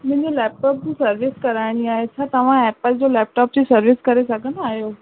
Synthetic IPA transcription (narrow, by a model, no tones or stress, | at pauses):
mɐ̃ɪ̃ɲd͡ʑolɛːp̚ʈɔːp̚d͡ʑũːsɐɾʋɪskɐɾaːɪɽ̃iaːɦesʰãt̪ɐʋ̤ãɛːp̚əld͡ʑolɛːp̚ʈɔːp̚t͡ɕesɐɾʋɪskɐɾesɐɡʱə̃nd̪aːɦjoː